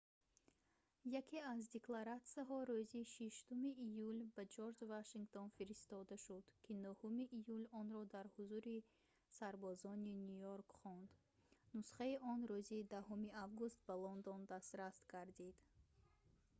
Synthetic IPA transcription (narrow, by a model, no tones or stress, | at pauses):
jakʰeazd̪eklaɾat̪siaɦɔɾuziʃiʃt̪umiʔːjulbad͡ʒoɾd͡ʒvaʃiŋɡt̪ʰɔnfiɾist̪ɔd̪aʃud̪̥kʰinuhumiʔijulɔnɾɔd̪aɾhuzuɾi | saɾbɔzɔninujoɾkχɔnd̪ | nusχaiʔɔnɾuziːd̪ahumiʔavɡust̪̚balɔnd̪ɔnd̪ast̪ɾasɡaɾd̪id̪̥